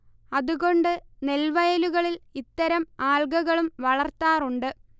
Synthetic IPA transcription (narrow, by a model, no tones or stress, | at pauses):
ɐðuɣo̞ɳɖɨne̞lʋɐjɐluɣɐɭilit̪ːɐɾɐmaːlɡɐɣɐɭumʋɐɭɐrt̪ːaːruɳɖɨ